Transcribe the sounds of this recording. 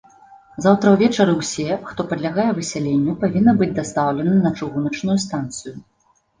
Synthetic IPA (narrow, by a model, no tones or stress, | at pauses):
zawt̪ɾɐwvʲɛt͡ʂɐɾɨwsʲɛxt̪ɔpɐd̪lʲaɣajɛvɨsʲɛlʲenʲːupavʲinːɐbɨd͡zʲd̪ast̪awlʲɛnɐnɐt͡ʂɨɣunɐt͡ʂnujust̪ant̪sɨju